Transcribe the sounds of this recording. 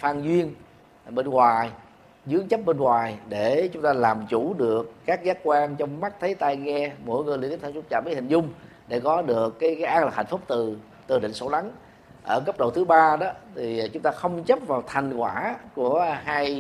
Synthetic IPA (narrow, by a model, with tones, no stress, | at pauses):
faː˧ŋzwi˧ən | ɓe˧nŋwaː˨˩j | zɨ˨˦əŋt͡ɕə˦˥p̚ɓe˧nŋwaː˨˩jɗe˧˩t͡ɕʊ˨˦ŋ͡mt̪aː˧laː˨˩mt͡ɕu˧˩ɗɨ˨˩əkːaː˦˥k̚zaː˨˦kwaː˧nt͡ɕɔ˧wŋ͡mma˦˥t̚t̪ʰə˨˦jt̪a˧jŋɛ˧mo̰˧˥˩jŋɨ˨˩li˧˨t̪i˦˥t̪ʰːfʰu˦˥t͡ɕaː˧˩mɓə˨˦hï˨˩ŋ̟zʊ˧ŋ͡m | ɗe˧˩kɔ˨˦ɗɨ˨˩əkːaː˨˦jkaː˨˦jʔaː˧ŋlaː˨˩ha̰˨˧˩jŋ̟fʊ˦˥k͡p̚t̪ɨ˨˩ | t̪ɨ˨˩ɗḭ˧˨ŋ̟so̰˧˩la˨˦ŋ | ʔəː˧˩kə˦˥p̚ɗə˨˩wt̪ʰɨ˨˦ɓaː˧ɗɔ˨˦t̪ʰi˨˩t͡ɕʊ˨˦ŋ͡mt̪aː˧xə˧wŋ͡mt͡ɕə˦˥p̚vaː˨˩wt̪ʰa˨˩jŋ̟kwaː˧˩ku˧˩əɦaː˧j